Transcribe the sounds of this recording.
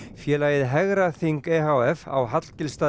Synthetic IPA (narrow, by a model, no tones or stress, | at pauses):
fjɛːlaːjɪðɦɛɣɾaθiŋkeɦawɛfa̰wɦat̪l̥cɪlst̪aː